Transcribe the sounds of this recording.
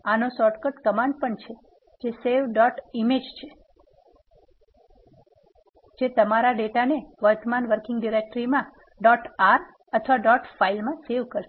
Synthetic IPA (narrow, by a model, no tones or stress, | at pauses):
anosɔʈkəʈkəmãɳɖpəɳt͡ʃʰe | d͡ʒeseʋɖɔʈimed͡ʒt͡ʃʰe | d͡ʒet̪əmaɾaɖeʈaneʋəɾt̪əmanʋəɾkɪ̃ŋɡɖiɾek̚ʈɾimã | ɖɔʈaɾ | ət̪ʰʋaɖɔʈfailmãseʋkəɾʃe̥